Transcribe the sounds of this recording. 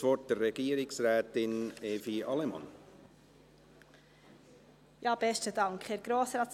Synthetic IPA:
ʋɔt̚d̥ərːɛɡiːəɾɪksɾɛːt̪ɪneːfiɑlɛmɑ̰n | jɑːb̥ɛʃtədɑŋkχeːɾɡ̥ɾoːsɾɑːt

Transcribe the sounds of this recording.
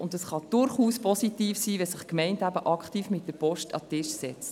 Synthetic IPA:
ʊntɑsχɑd̥ʊɾχuːspɔsitiːfsiːʋɛsɪχkmɛɪntæbəʔɑkχtiːfmɪt̚d̥əɾpɔʃtɑ̰tɪʃsɛt͡st

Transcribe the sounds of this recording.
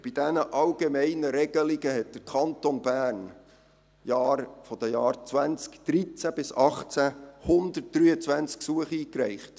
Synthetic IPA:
b̥id̥ɛnəʔɑlɡ̥emɛɪnəɾɛɡ̥əliɡəɦɛt̚d̥əɾkʰɑnt̪onbæːrn | jɑːɾfɔd̥əjɑːɾt͡sʋænt͡skd̪̥ɾit͡sæb̥ɪsɑχt͡sæhʊnd̪ət̚d̥ɾyːət͡svænt͡sksuəχiːkɾɛɪχt

